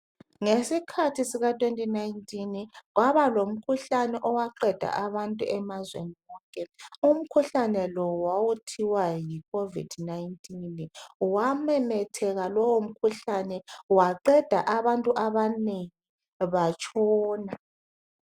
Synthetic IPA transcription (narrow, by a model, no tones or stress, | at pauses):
ŋesikʰatʰisiɣatʰʼwentʼinajntʼinɣwaβalom̩kʰuɬanɛʔɔwaǃɛd̥ʱa̰ʔaβantʼuʔɛmazwḛniɣɔŋkʼɛum̩kʰuɬanɛlɔwawutʰiwajikʰovḭd̥najntʰʼinwamɛmɛtʰɛɣalɔwom̩kʰuɬanɛwaǃɛd̥ʱa̰ʔaβantʼuʔaβaneŋi | βat͡ʃʼɔːna